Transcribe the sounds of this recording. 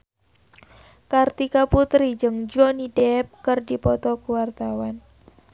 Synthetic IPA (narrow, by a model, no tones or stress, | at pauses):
kart̪ikaput̪ɾid͡ʒəŋd͡ʒɔnidɛp̚kərdipɔt̪ɔkuwart̪awan